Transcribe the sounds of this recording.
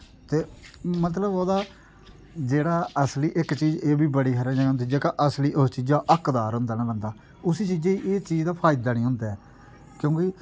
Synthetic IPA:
t̪eːmət̪̬ləboːd̪aː | d͡ʒeːɽaːəsliːʔɪkt͡ʃiːd͡ʒeːbiːbəɽiːkəɾə̃ːd͡ʒaãnt̪id͡ʒeːkaʔəsliːʔost͡ʃiːd͡ʒaːʔəkd̪aːɾɦʊ̃nd̪aːnãːbənd̪aː | ʊsiːt͡ʃiːd͡ʒẽiʔeːt͡ʃiːd͡ʒd̪aːpʰaːɪd̪aːnĩːɦʊ̃nd̪aɛː | kjõːkɪ

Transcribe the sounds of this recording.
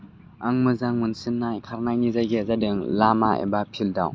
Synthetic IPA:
ʔaŋmɨzaŋmunsinːakʰaɾnajnizajɡɛzadɯŋlamaʔɛ̰bapʰilda̰w

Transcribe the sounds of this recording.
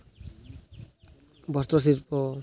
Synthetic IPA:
bɔst̪ɾɔs̬iɾpɔ

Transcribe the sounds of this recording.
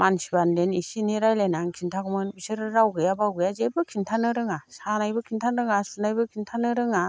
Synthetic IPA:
mansibandenisiniɾajlenaŋkʰintʰaɡɯmɯnbisɯɾɯɾawɡɯjabawɡɯjazebɯkʰintʰanɯɾɯŋasanajbɯkʰintʰanɾɯŋasunajbɯkʰintʰanɯɾɯŋa

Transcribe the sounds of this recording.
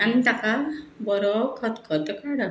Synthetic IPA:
ant̪akabɔɾɔkʰɔt̪kʰɔt̪ɔkaɽɔ

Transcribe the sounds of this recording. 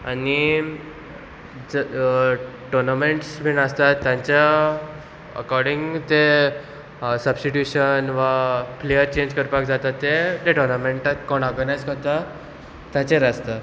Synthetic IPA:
ani | d͡z | ʈoɾnameɳʈsbʱinast̪at̪ːjãɲt͡ɕja | ə̰kɔɾɖiŋɡt̪e | səbsʈiʈjuɕənʋaplejəɾt͡ɕẽɲd͡ʑkəɾpak̚d͡zat̪at̪ːet̪eʈɔɾnameɳʈakoɳɔɾɡənajd͡zkəɾt̪a | t̪jãt͡ɕeɾast̪a

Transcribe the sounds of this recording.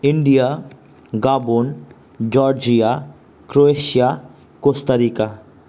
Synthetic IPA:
ɪɳɖija | ɡaːbon | d͡ʒɔːɾd͡ʒija | kɾoeʃija | kost̪ɐɾiːka

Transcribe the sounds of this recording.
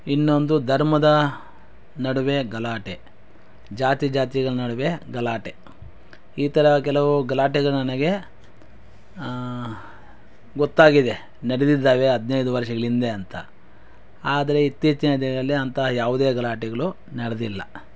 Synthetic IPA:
inːo̞nd̪ud̪ʱɐɾmɐd̪ɐ | nɐɽuʋe̞ɡɐlaːʈe | d͡ʒaːt̪id͡ʒaːt̪iɡɐɭunɐɽuʋeɡɐlaːʈe | iːt̪ɐɾɐk̬ɛlɐʋuɡɐlaːʈɛɡɐɭunɐnɐɡe̞ | ɡɔt̪ːaːɡid̪e̞ | nɐɽed̪id̪ːaːʋe̞ɦɐd̪ʱnejd̪uʋɐɾʂɐɡɐɭind̪eɐnt̪ɐ | aːd̪ɐɾe̞it̪ːiːt͡ʃːɐnɐd̪ɐɐlːiɐnt̪ɐjaːʋud̪eːɡɐlaːʈɛɡɐɭu | nɐɽed̪ilːɐ̰

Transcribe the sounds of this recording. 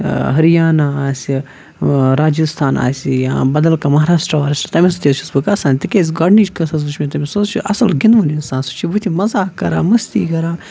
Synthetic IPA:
ɦɐɾijaːnaaːsʲi | ɾaːd͡ʒist̪ʰaːna̰ːsʲijã̰ːbɐd̪ɐlkamɐɦaːɾaːʂʈɾɐʋaːɾsʲt̪ɐmʲisɐt̪ʲist͡ʃʰusbɨkɐsãːnʲt̪ikʲes̬ʲɡaɖnit͡ʃkɐsɐs̬ut͡ʃʰmẽt̪ɐmʲisot͡ʃʰuʔɐ̰sɐlɡinʋuninsaːnsu̥t͡ʃʰibut̪ʰimɐzaːkɐɾa̰ːmɐst̪ḭːkɐɾaː

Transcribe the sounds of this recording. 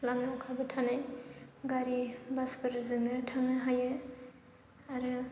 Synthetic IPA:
lamnaɔkʰabɐtʰanajɡaɾibaspɯɾzɯnɯtʰaŋnɯɦajɯ | aɾɯ

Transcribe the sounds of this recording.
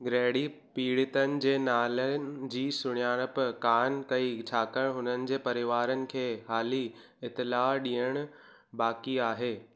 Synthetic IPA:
ɡɾeːɽipiːɽɪt̪ənɪ̆d͡ʑeːnaːlən̆d͡ʑiːsʊɽ̃ijaːɽ̃əpkaːnkɐit͡ɕʰaːkəɽ̃ɦʊnənɪ̆d͡ʑeːpɐɾɪʋaːɾənɪ̆kʰeːɦaːli | ɪt̪ɪlaːɗiːəɽ̃ | baːkiaːɦeː

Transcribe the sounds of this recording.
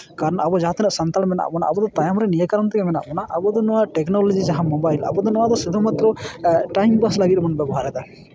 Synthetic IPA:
kaɾɔnabɔd͡ʒaɦat̪enɔʔsant̪almɛna̰bɔna̰ʔabɔd̪ɔt̪ajamɾenijkaɾɔnt̪ʰɛkemɛna̰bɔnaʔabɔd̪ɔnɔwaʈeknɔlɔd͡ʒid͡ʒaɦãmɔbajla̰bɔd̪ɔnɔad̪ɔsed̪umat̪ɾɔʈajmbaslaɡit̪̚mɔnbɛbɔɦaɾɛt̪a

